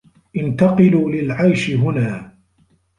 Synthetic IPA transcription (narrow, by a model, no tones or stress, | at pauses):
ʔɪnt̪ɑqɨluːlɪlʕajʃɪɦʊnaː